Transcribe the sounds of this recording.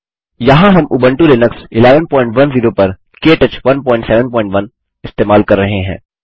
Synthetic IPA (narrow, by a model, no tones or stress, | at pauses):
jɐɦãɦɐmʔʊbə̃ɳʈuɾenɐksɪleːʋənpɔːɪ̃ɳʈʋɐnziːɾopɐɾ | keːʈɐt͡ʃʋɐnpɔ̃ːɪ̃ɳʈsɛːʋə̃npɔːɪ̃ɳʈʋɐn | ɪst̪eːmaːlkɐɾːɐɦẽɦɛ̰̃ː